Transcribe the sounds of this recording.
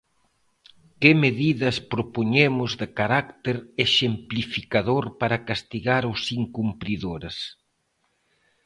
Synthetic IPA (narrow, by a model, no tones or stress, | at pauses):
kɪmeðiðɐspɾopoɲemʊzðɪkaɾakt̪eɾeʃemplifikaðoɾpaɾɐkast̪iɣaɾosiŋkumpɾiðoɾes